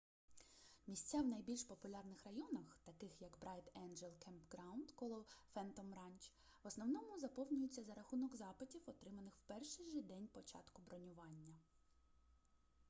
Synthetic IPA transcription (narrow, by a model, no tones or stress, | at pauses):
mʲisʲt͡sʲawnɐjbʲilʲʃpɔpʊlʲɑrnɪxɾɐjɔnɐxt̪ɐkɪxjɐkbɾɑjt̪ɛnd͡ʒɛlˠkʰɛmpɡɾaɑwnd̪kɔlˠɔfɛnt̪ɔmɾɑnʲt͡ʃ | ʋɔsnɔwnɔmʊzɐpɔwnʲʊjʊt͡sʲːɐzɐɾɐxunɔkzɑpɪtʲiwɔt̪ɾɪmɐnɪxwpɛrʃɪjʒɪd̪ɛnʲpɔt͡ʃɑ̰t̪kʊbɾɔnʲʊʋɑnʲːɐ